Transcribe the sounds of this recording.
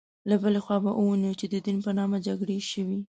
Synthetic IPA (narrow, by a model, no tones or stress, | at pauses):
labəlexwɑbaʔuwunit͡ʃed̪əd̪inpənɑmad͡ʒaɡɽeʃəwi